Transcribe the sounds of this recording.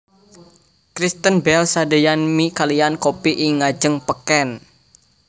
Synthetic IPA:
kɾist̪ənbɛlsadəjanmikaliankopiʔiŋad͡ʒəŋpəkɛn

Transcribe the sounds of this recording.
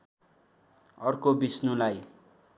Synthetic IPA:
ʌrkobisnũlaj

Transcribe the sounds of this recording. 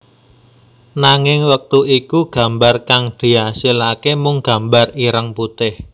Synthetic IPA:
naŋɪŋwək̚t̪uikuɡ̥ä̤mbarkaŋɖ̪̥i̤asilakemʊŋɡ̥ä̤mbariɾəŋput̪ɪh

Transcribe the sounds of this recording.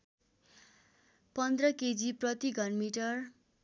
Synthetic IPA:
pʌnd̪rʌked͡ziprʌt̪iɡʱʌnmiʈʌr

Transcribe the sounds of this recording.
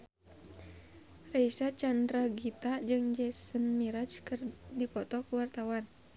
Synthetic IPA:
raisat͡ʃandɾaɡit̪ad͡ʒɨŋd͡ʒɛsənmiɾat͡ʃkɨrdipɔt̪ɔkuwart̪awan

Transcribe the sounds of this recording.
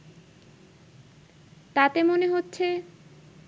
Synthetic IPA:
t̪at̪emoneɦotːɕʰe

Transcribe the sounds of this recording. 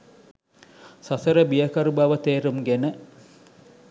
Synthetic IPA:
sasəɾəbijakɐɾubaʋət̪eːɾumɡenə

